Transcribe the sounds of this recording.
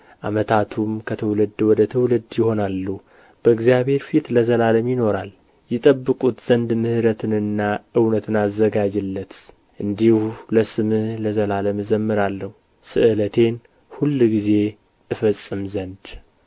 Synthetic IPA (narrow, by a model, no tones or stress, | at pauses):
ʔa̰mət̪ʰat̪ʰumkʰət̪ʰəwlɨd̪wɔd̪ət̪ʰəwlɨd̪jɪho̞nalːu | b̥əɨɡzjaβhe̞ɾfit̪ləzəlaləmjɪno̞ɾal | jɪt̪ʼəbːɨkʼut̪z̥ənd̪mɨhɾət̪ʰɨnɨnːaʔɨwnət̪ʰɨnazːəɡad͡ʒɨlːət̪ | ʔɨnd̪ihləsɨmɨhləzəlaləmzəmːɨɾalːəhu | sɨ̰ʔɨlət̪ʰe̞n | hulːɡize̞ | ɨfəsʼːɨmzənd̪